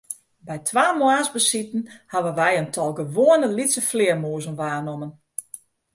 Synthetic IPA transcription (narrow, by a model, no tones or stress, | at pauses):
bɛjtʰʋaːmwaːsbəsitn̩haʋənʋɛjəntʰɔlˠɡəʋoənəlitsəflɪərmuəzənʋaːnomən